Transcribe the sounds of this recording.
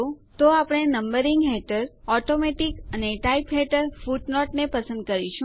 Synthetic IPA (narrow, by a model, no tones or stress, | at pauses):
ũt̪oapɽ̃enəmbəɾiŋɡɦeʈəɾɔʈomeʈikəneʈaipɦeʈəɾfuʈnɔʈnepəsə̃nd̪̚kəɾiʃũ